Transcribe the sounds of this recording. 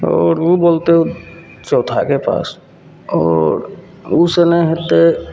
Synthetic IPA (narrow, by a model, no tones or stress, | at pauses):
ɔːɾʋuboːlt̪e | t͡ʃɔːt̪ʰakepa̰ːs | ɔːɾ | usenə̃ɦet̪e